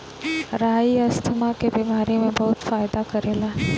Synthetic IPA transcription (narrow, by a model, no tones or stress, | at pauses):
ɾaːiɐst̪ʰəmakebiːmaːɾemẽbɐɦʊt̪faːɪd̪akɐɾeːlaː